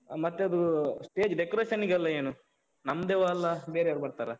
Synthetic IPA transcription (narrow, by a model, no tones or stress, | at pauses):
mɐt̪ːeɐd̪usʈe̞ːd͡ʒɖekɐɾeːʃɐniɡɐlːɐeːnu | nɐmːɐd̪eʋalːɐbeːɾeɾbɐɽt̪aːɾɐ